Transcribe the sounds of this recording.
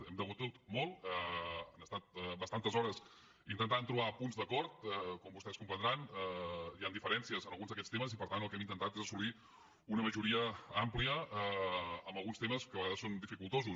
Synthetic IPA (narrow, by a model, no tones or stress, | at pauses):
ɛmd̪əɣut̪ut̪mɔlˠɛənəst̪at̪̚ɛbəst̪ant̪əzɔɾəs | int̪ənt̪ant̪ɾuβapunzðəkɔɾt̪ɛkɔmbust̪ɛskumpənd̪ɾanɛjand̪ifəɾɛnsiəzənəlˠɣunzðəkɛt͡sst̪eməzipəɾt̪ant̪əlˠkɛmint̪ənt̪at̪ezəsuli | unəməʒuɾiəampliəəːmbəlˠɣunst̪eməskəβəɣaðəsond̪ifikulˠt̪ozu